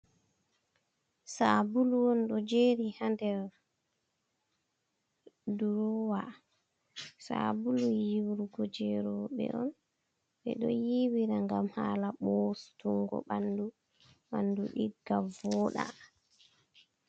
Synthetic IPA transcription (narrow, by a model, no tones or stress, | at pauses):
sabuluwɔnɗɔd͡ʒeɾihandɛɾ | duɾɔwa | sabulujiwuɾɡɔd͡ʒɛɾɔɓɛ̰ʔɔn | ɓɛ̰ɗɔjiwiɾaŋɡamhalaɓɔstuŋɡɔ̰ɓandu | ɓanduɗiɡavɔːɗa̰